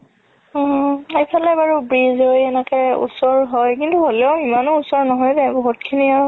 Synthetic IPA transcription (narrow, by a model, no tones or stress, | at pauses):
ejpʰalɛbaɹubɹizojɛnɛkɛṵsɔɹɦɔjkintuɦolɛʊimanousɔɹnɔɦɔjdɛbɔɦut̚kʰiniaɹ